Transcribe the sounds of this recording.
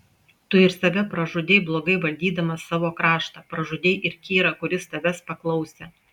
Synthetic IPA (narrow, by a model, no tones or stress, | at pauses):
t̪ʊɪɾsɐʋʲɛpɾɐʒʊd̪ʲeɪblˠoːɡɐɪʋɐlʲd̪ʲiːd̪ɐmɐsɑːʋoːkɾɑːʃt̪ɑːpɾɐʒʊd̪ʲeɪʔɪɾkʲiːɾɐkʊɾʲɪst̪ɐʋʲɛspɐklˠɒʊsʲe